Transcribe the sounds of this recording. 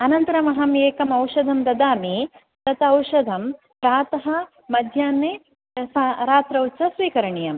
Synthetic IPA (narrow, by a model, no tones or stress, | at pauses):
ɐnɐnt̪ɐɾɐmɐɦɐmjeːkɐmɐwʂɐd̪ʱɐmd̪ɐd̪aːmi | t̪ɐt̪ɐɐwʃɐd̪ʱɐm | pɾaːt̪ɐɦɐ̆ | mɐd̪ʱjaːnːeː | saɾaːt̪ɾɐwt͡ʃɐʃʋiːkɐɾɐɳijɐm